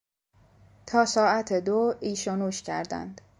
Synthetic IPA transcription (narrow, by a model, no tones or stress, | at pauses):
t̪ʰɒːsɒːæt̪ʰed̪oːiːʃonuːʃcʰæ̰ɾd̪æ̰nd̪̥